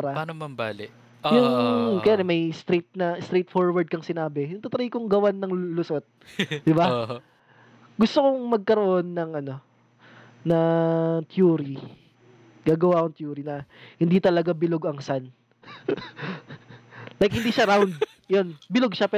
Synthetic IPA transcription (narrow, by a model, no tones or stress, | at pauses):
ɾɐanɐmɐmbaːlɪʔ | jʊŋkɐjaːɾɛmɐjst̪ɾejt̪̚nɐst̪ɾejt̪̚fo̞ɹwɐɹd̪̚kɐŋsɪnaːbɛjʊŋt̪ɐt̪ɾijkoŋɡɐwanːɐŋlʊsot̪̚d̪ɪba | ɡʊst̪okoŋmɐɡ̚kɐɾoʔo̞nːɐŋʔɐno̞ | nɐt̪juːɾi | ɡ̥aːɡɐwakoŋt̪juːɾinɐhɪnd̪it̪ɐlɐɡabɪloɡɐŋsan | lajk̚hɪnd̪iːʃaɾawnd̪̚ | jonbɪloɡ̚ʃapɛ